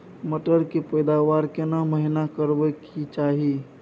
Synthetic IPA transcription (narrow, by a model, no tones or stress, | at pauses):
məʈəɾkipəjd̪aʋaːɾkenaməɦinakəɾbekit͡ʃaːɦi